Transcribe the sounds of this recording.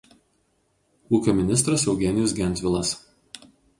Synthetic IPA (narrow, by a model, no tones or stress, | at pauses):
uːkʲomʲɪnʲɪst̪ɾɐsɛʊɡʲɛnʲɪjɔsɡʲɛnʲʋʲɪlˠɐs